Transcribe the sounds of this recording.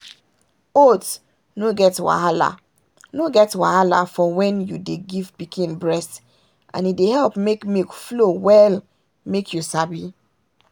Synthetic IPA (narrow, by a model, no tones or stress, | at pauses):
ot | noɡɛtwa̰ala̰ | noɡɛtwa̰hala̰fɔwɛ̃njudeɡivpikʰĩnbɹɛst | ʔã̰nidehɛlpmekmekflowɛl | mekʰjusabi